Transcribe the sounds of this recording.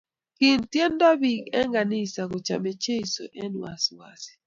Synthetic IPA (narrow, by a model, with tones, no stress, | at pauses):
ki˨ntjɛ˦nda˦bi˨ɡɛ˦ŋɡa˨nɪ˦˨sa˨kɔ˨t͡ʃa̰˨me˨t͡ʃe˦i˨so̰˨ʔɛ˦n˨wa̰˨swa̰˨si̥˨